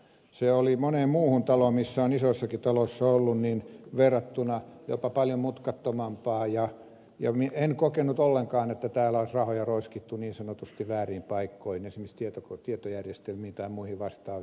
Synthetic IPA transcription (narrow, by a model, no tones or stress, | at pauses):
seolimonemmuːhunt̪ɑlomisːæonisosːɑkit̪ɑlosːɑolːunninʋerːɑt̪ːunɑjo̰pɑpɑljomut̪kɑt̪ːomɑmpɑːjɑ | jɑ̰mienkokenut̪olːeŋkɑːnet̪ːæt̪æːlæoisrɑhojɑroiskit̪ːuniːnsɑnot̪ust̪iʋʋæːriːmpɑikːoihinensimːist̪iet̪okt̪iet̪ojærjest̪elmiːnt̪ɑimuihiʋɑst̪ɑːʋ